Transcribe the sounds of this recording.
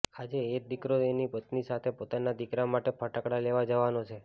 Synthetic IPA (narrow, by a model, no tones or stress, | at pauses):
ad͡ʒeːk̚d̪ikɾoenipət̪nisat̪ʰepot̪anad̪ikɾamaʈepʰəʈəkɽaleʋad͡ʒəʋanot͡ʃʰe